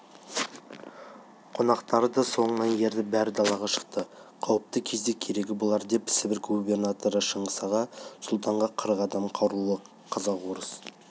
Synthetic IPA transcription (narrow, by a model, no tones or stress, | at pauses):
qʰo̞nɑqt̪ɑɾəd̪ɑso̞ɴənɑnje̞ɾd̪ɪbæɾɪd̪ɑlˠɑʁɑʃə̥q̚t̪əqʰɑwəp̚t̪əkʲʰe̞zd̪e̞kʲʰe̞ɾe̞ɡʲɪbʊlˠɑɾd̪e̞pʰɪ̥sɪbɪɾɡubʲe̞rnat̪o̞ɾəʃəɴəsɑʁɑsʊlˠt̪ɑɴʁɑqʰəɾəqɑd̪ɑmqʰɑwɾulˠə | qʰɑzɑqwo̞ɾəs